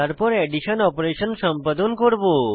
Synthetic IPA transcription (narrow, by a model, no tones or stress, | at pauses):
əɾpəɾeɖiʃənɔpɾeʃənsə̃mpəd̪ʱonkəɾbo